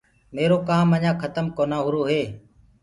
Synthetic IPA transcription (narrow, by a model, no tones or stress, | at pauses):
meːɾoːkaːməɲãːkʰət̪əmkoːnãːɦʊɾoːɦeː